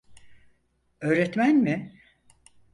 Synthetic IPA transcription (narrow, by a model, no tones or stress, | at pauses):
ø̞ːɾɛt̪mænmɪ